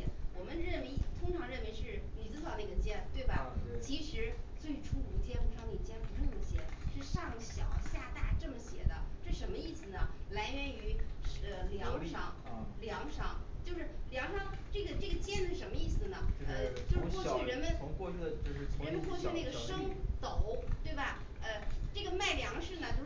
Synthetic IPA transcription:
wɔ˨˩mə˦nɻə˥˩we˧˥ɪt̪ʰʊ˥ŋʈ͡ʂʰɑ˧˥ŋɻə˥˩nwe˧˥ɪʂɻ̩˥˩ni˨˩t͡sɹ̩˥˩sʰʊd̪ə˧i˧˩ɡə˦t͡ɕjɛ˥˩nt̪we˥˩ɪbɐ˩t͡ɕʰi˧˥ʂɻ̩˧˥t͡swe˥˩ɪʈ͡ʂʰu˥u˧˨˥t̪ʰjɛ˥npu˧˩˧ɑ˥ni˨˩t͡ɕjɛ˥npu˧˥ʈ͡ʂo˥˩d̪ə˩ɕjɛ̰˨˩˥ʂɻ̩˥˧ʂɑ˥˩ŋɕjɑ˨˩˦ʊɕja˥˧t̪a˥˩ʈ͡ʂɤ˥˩mə˩ɕjɛ̰˨˩˦d̪ə˦ʈ͡ʂɤ˥˩ʂə˧˥nmə˧i˥˩sɹ̩˩nə˩la˧˥ɪɥɛ˧˥ny˧˥ə˧ljɑ˧˥ŋʂɑ̰˨˧˥ŋljɑ˧˥ŋʂɑ˧˥˦ŋt͡ɕjo˥˧ʊʂɻ̩˥˩ljɑ˧˥ŋʂɑ˥˧ŋʈ͡ʂɤ˥˩ɡə˩ʈ͡ʂɤ˥˩ɡə˩t͡ɕjɛ˥nʂʂɻ̩˥˩ʂə˧˥nmə˧i˥˩sɹ̩˩nə˩ə˧t͡ɕjo˥˧ʊʂɻ̩˥˧˥kwɔ˥˧t͡ɕʰy˥˩ɻə˧˥nmə˧˨n˧ɔ˥˧y˥˧t͡ɕo˥˧ʂʰə˧˥mə˧kwɔ˥˧t͡ɕʰy˥˧na˥˩ɡə˩˨ʂɤ˥ŋt̪o˨˩˦ʊt̪we˥˩ɪbɐ˩ | ə˧ʈ͡ʂɤ˥˩ɡə˩ma˥˩ɪljɑ˧˥ŋʂɻ̩˥˩nə˩t͡ɕjo˥˧ʊʂ

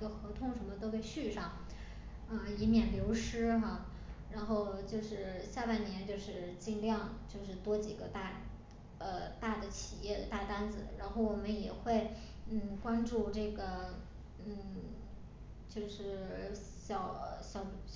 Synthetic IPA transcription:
ɡə˧xɤ˧˥t̪ʰʊ˥˧ŋʂə˧˥nmə˧t̪o˥ʊpe˥˧ɪɕy˥˧ʂɑ˥˩ŋ | ə˥˧i˧˥mjɛ˨˩nljo˧˥ʊʂɻ̩˥xa˥˧ | ɻa˧˥nxo˥˧ʊt͡ɕjo˥˧ʊʂɻ̩˥˧ɕja˥˧pa˥˩nnjɛ˧˥nt͡ɕjo˥˧ʊʂɻ̩˥˧t͡ɕi˥˧ŋljɑ˥˧ŋt͡ɕjo˥˧ʊʂɻ̩˥˩t̪wɔ˥t͡ɕi˨˩ɡə˦t̪a˥˩ | ə˧t̪a˥˩d̪ə˩t͡ɕʰi˨˩jɛ˥˩d̪ə˩t̪a˥˩t̪a˥nd͡zɹ̩˨˩ɻa˧˥nxo˥˩ʊwɔ˨˩mə˦njɛ˨˩xwe˥˩ɪ | n̩˥˩kwa˥nʈ͡ʂu˥˧ʈ͡ʂɤ˥˩ɡə˩ | n̩˥˩ | t͡ɕjo˥˧ʊʂɻ̩˥˩ | ɕjɑ˨˩ʊɕjɑ˨˩ʊ

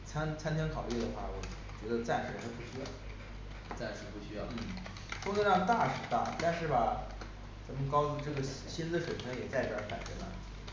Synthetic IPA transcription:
t͡sʰa˥nt͡sʰa˥nt̪ʰji˥ŋkʰɑ˨˩ʊi˥˩d̪ə˩xwa˥˩wɔ˨˩˦ | t͡ɕɥɛ˧˥d̪ə˧t͡sa˥˩nʂ̩˧˥t̪ʰa˥ɪpu˥˩ɕy˥jɑ˥˩ʊ | t͡sa˥˩nʂ̩˧˥pu˥˩ɕy˥jɑ˥˩ʊn̩˥˩ | pu˥˧kə˥ɻɑ˥˧t̪a˥˩ʂɻ̩˨˩t̪a˥˩t̪a˥˧nʂɻ̩˥˩bɐ˩ | t͡sa˧˥mə˧kɑ˥ʊt͡su˥˧ʈ͡ʂɤ˥˩ɡə˩ɕ | ɕi˥nd͡z̩˥˧˩ʂwe˨˩ɪt͡sʰɤ˧˥ŋjɛ˨˩t͡sa˥˩ɪ˩jə̰˞˧˥fa̰˨˩nʈ͡ʂə̰˧˥la̰˧˩

